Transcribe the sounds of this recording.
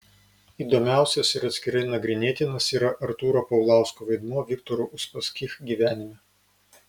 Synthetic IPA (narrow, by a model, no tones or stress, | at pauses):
iːd̪omʲæˑʊsʲɛsɪɾɐt̪ʲsʲkʲɪɾɐɪnɐɡɾʲɪnʲeːt̪ʲɪnɐsiːɾɐʔɐɾt̪uːɾoːpɐʊlˠɑˑʊskoʋɐɪd̪muːʋʲɪkt̪ɔɾuʔʊʃpɐsʲkʲixɡʲiʋʲæːnʲɪmʲɛ